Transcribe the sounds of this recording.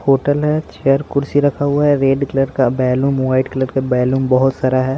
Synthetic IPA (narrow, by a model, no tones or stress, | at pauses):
hoːʈəlɦɛt͡ʃeəɾkʊɾsiɾɐkʰaɦʊaɦɛɾeːɖkləɖkabɛːluːmwaːɪɖkləɾkebɛːluːmbɐɦʊt̪saːɾaɦɛː